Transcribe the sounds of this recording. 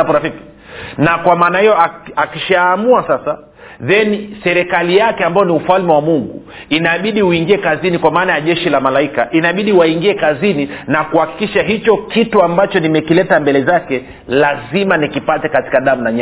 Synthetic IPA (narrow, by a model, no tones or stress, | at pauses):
apɔɾafiki̥ | nakwamaːnahijɔaakiʃaːmuasasa | ðɛnisɛɾɛkalijakɛambajɔniufalmɛwamuŋɡṵ | inaɓiɗiuiŋɡiɛkazinikwamaːnajaʄɛʃilamalaika̰ʔinaɓiɗiwaiŋɡiɛkazininakuhaki̥kiʃaɦit͡ʃɔkituambat͡ʃɔnimɛkilɛtambɛlɛzakɛ | lazimanikipatɛkati̥kaɗamunaɲa